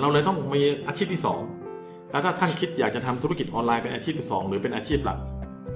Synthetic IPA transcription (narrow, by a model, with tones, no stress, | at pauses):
ɾa˧wlɤː˧jt̪ɔ˥˩ŋmiː˧ʔaː˧t͡ɕʰiː˥˩p̚t̪ʰi˥˩sɔ̰ː˩˦ŋ | lɛː˦˥wt̪ʰaː˥˩t̪ʰa˥˩nkʰi˦˥t̪̚jaː˨˩k̚t͡ɕa˨˩t̪ʰa˧mt̪ʰu˦˥a˥˩ki˨˩ʔɔː˧nlaː˧jpe˧nʔaː˧t͡ɕʰiː˥˩p̪̚ʰi˥˩sɔː˩˦ŋɾɯː˩˦pe˧nʔaː˧t͡ɕʰiː˥˩p̚la̰˨˩k̚